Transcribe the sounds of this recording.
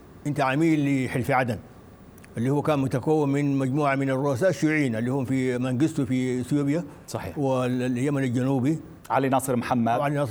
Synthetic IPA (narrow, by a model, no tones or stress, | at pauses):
ʔɪnt̪aʕamiːlːiħɪlfiʕad̪an | ʔalːiːhuwːakaːnmʊt̪akawːimːinmaɟmuːʕamɪnarˤːuʔas̬aːʔaʃːuʕiːnalːihuːmfimaŋɡist̪ufisjuːbjasˤɑːwilljːamanald͡ʒanuːbi | ʕalinɑsˤɨɾmħamːaʕalinɑsˤ